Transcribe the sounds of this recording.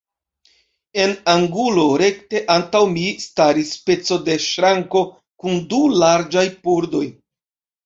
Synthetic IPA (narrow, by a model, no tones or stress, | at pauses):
e̞naŋɡulo̞ɾe̞kte̞ʔantawmistaɾispe̞t͡so̞de̞ʃɾaŋko̞ | kundulaɾd͡ʒajpuɾdo̞j